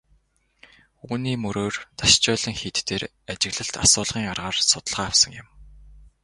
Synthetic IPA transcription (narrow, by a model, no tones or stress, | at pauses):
uːniːmɵɾoːrt̪ʰaʃt͡ɕœːɮə̆ŋxiːt̪ːeːɾ | at͡ɕɪ̆ɣɮə̆ɬt̪a̰sʊːɮʁiːŋarʁaːrsʊt̪ə̆ɮʁaːwsə̆ŋjɪ̆m